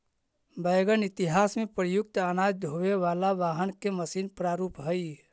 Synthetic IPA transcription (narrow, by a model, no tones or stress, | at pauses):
bəjɡənɪt̪ɪɦaːsmẽpɾəjʊk̚t̪aːnaːd͡ʒd̪ʱɦoʋeʋaːlaʋaːɦənkeməsiːnpɾaːɾuːpɦəi